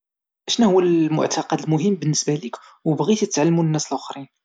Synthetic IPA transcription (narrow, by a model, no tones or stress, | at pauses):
ʔæʃnæhʊwːælmʊ̰ʕt̪ɑqɑd̪əlmʊɦəmːbənːəsbælikwbɣit̪jət̪ːʕalːmunənːæslʊxɾin